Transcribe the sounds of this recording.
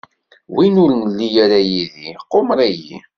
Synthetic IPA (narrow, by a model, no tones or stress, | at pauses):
winʊɾənlːijaɾajiðiqːomɾæjḭ